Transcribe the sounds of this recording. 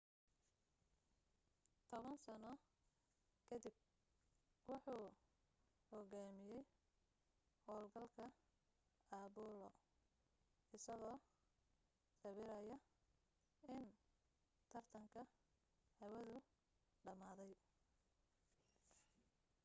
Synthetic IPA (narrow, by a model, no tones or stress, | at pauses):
t̪ʰɔβɐnsɐnɔ | kʰɐdɪb̚ | wʊħuː | hɔɣaːmɪjɛj | hɔːlɡɐlkʰɐ | aːbuːlɔ̰ | ʔɪsɐɣɔː | sɐβɪɾɐjɐ | ɪn | t̪ʰɐrt̪ʰɐŋkʰɐ | hɐwɐðʊ | ɖɐmaːðɛj